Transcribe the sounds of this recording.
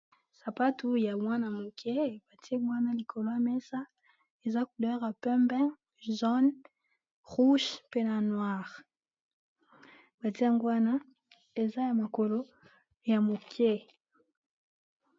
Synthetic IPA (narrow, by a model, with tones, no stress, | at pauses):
sa˨pa˦tu˦ja˨mwa˦na˨mo˨ke˦b̥a˨ti˦e˦mwa˦na˦li˨kʰo˨lo˦ja˨mɛ˦sa˦ | e˨za˦ku˨dɛ˦ʁa˨pɛ̃˦mbɛ̃˦ | zɔ˦n | ʁu˦ʃpe˦na˨nwa˦˨ʁ | ba˨ti˦ja˦ŋɡwa˦na˦ | e˨za˦ja˨ma˨ko˨lo˦ | ja˨mo˨kʰe˦